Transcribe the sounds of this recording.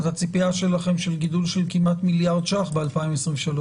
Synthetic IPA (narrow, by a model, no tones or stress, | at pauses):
t̪hat͡sipiaʃe̞laχemʃelɡid̪ulʃe̞lkimat̪miljaʁd̪ʃaχbealpaimesʁimvʃalo